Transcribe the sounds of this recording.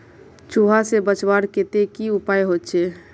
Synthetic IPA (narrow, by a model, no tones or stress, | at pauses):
t͡ʃuɦasebət͡ʃbaɾket̪ekiʊpaːjɦot̪t͡ʃʰe